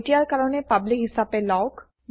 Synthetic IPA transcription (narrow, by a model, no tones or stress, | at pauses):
tijaɹkaɹɔnɛpablikɦisapɛlawk